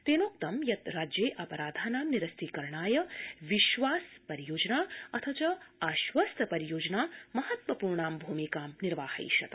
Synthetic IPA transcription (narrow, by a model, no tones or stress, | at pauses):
t̪eːnoːk̚t̪ɐmjɐt̪ɾaːd͡ʒjeːʔɐpɐɾaːd̪ʱaːnaːmniɾɐst̪ʰikɐɾɳaːjɐʋiʃʋaːspɐɾijoːd͡ʒɐnaːɐt̪ʰɐt͡ʃɐaːʃʋɐst̪ʰɐpɐɾijoːd͡ʒnaːmɐhɐt̪ʋɐpuːɾɳaːmbʱuːmikaːmniɾʋaːhɐ̰jʃɐ̰t̪